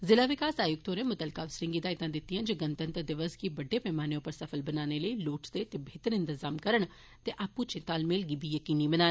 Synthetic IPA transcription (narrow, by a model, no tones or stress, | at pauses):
zɪlaːʋɪkaːsaːjʊk̚t̪oːɾẽːmʊt̪əlkaːʋsɾɪ̃ŋɡiːd̪aːɪt̪ãːd̪ɪt̪ːijãːd͡ʒəɡənt̪ənt̪əɾd̪ɪʋəzkibəɖːeːpɛːmaːnijõːpəɾsəfʰəlbənaːneləiːluːʈd̪eːt̪ebʱeːt̪əɾɪ̃nt̪ɪzaːmkəɾəɳ | t̪eʔaːpũːt͡ʃɪ̃t̪aːlmeːlɡiːbʱiːjəkiːniːbənaː